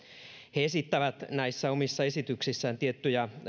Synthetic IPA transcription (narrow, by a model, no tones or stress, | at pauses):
heesit̪ːæʋæt̪næisːæomisːɑesit̪yksisːæːnt̪iet̪ːyjæ